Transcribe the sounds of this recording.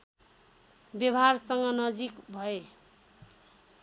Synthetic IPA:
bjʌbɦarsʌŋɡʌnʌd͡zikbʱʌe

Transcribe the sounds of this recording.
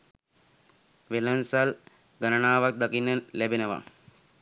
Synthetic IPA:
ʋelənsal | ɡanənaːʋak̚d̪akinːəlæbenəʋa̰

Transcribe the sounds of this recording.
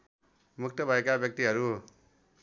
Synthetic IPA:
muk̚ʰt̪ʌbʱʌekabjʌk̚t̪iɦʌɾu

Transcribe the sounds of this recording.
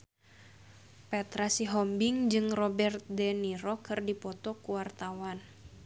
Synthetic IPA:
pɛt̪ɾasiɦɔmbiŋd͡ʒɨŋrɔbɛrt̪̚dɛniɾɔkɨrdipɔt̪ɔkuwart̪awan

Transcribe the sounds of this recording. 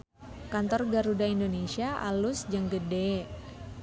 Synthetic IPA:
kant̪ɔrɡaɾudaindonesiaʔa̰lʊsd͡ʒəŋɡəde

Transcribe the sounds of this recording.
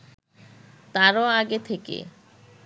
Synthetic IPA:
t̪aɾoaɡet̪ʰekḛ

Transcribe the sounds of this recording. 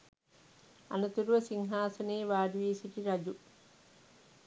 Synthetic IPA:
ɐ̰nɐt̪uɾuʋɐsiŋɦaːsɐneːʋaːdʋiːsiʈiɾɐd͡ʒu

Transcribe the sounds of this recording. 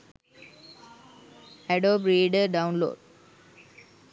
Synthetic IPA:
ɛɖoːpɾeːɖəɖãʊ̃nlo̰ːɖ

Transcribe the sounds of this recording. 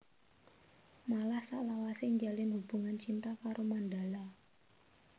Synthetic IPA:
malahsaʔlawaseɲd͡ʒalɪnhub̥ṳŋant͡ʃint̪akaɾʔomandala

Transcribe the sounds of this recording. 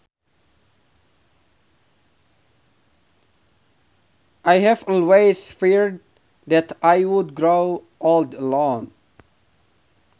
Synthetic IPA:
ʔaɪhæfɔlweɪsfiɹd | ðæt̪ʰʔaɪwʊd̪ɡɹoʊ | ʔɔld̪əlɔ̃ŋ

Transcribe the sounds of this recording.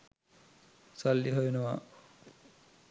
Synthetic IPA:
salːiɦojonoʋa

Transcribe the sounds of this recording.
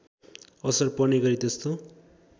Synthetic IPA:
ʌsʌrpʌneɡʌɾit̪est̪o

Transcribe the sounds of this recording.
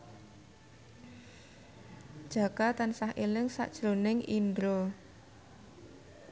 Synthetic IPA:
d̥ʒ̥a̤kat̪ansahelɪŋsa̰ʔd̥ʒ̥ɾonɪŋʔind̪ɾo

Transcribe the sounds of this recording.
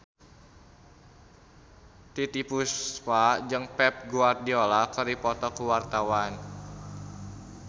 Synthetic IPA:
t̪it̪ipuspad͡ʒɨŋpɛp̚ɡuardiɔlakəɾipɔt̪ɔkuwart̪awan

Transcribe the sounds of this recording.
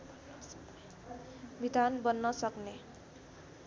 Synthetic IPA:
bʱid̪ʱanbʌnːʌsʌkne

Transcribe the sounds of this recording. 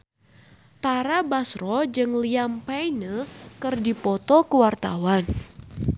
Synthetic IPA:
t̪aɾabasrɔd͡ʒɨŋliampajnəkərdipɔt̪ɔkəwart̪a̰wan

